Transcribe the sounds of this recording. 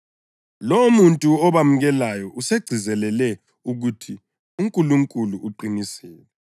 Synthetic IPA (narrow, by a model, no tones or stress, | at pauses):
lomuntʼuɔβamuɣɛlajɔʔuseɡ͡ǀ̥ʱizɛlɛlɛ | uɣutʰi | uŋkʼuluŋkʼuluʔːǃinisɛːlɛ